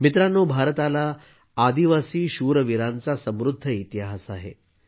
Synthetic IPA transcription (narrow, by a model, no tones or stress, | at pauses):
mit̪ɾanːobʱaɾət̪alaː | d̪iʋasiːɕuɾəʋiɾant͡sasəmɾud̪ʱːəit̪jaɦasaɦḛ